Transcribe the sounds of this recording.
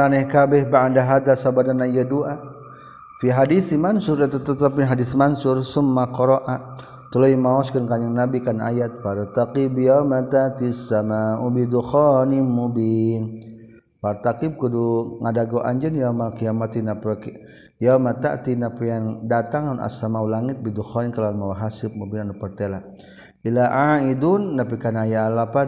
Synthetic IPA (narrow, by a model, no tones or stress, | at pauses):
ɾanɛhkabɛhbaandaɦad̪asabadanajaduʔa | fiɦadiθimansʊɾat̪at̪at̪apinɦadiθmansʊrsʊmːakɔɾɔʔa | t̪ulojmaɔskənkaɲaŋnabikana̰jat̪̚faɾt̪aqibjamat̪at̪isamaubid̪uxɔnimubin | paɾt̪akib̚kuduŋadaɡoʔa̰ɲd͡ʒənjamakijamat̪inapk | jamat̪a̰ʔt̪inapujaŋdat̪aŋanʔa̰samaulaŋit̪̚bid̪uxɔnikalanmawaɦasɪp̚mubinanupərt̪ela | ilaʔaidunːap̬ikanajalapa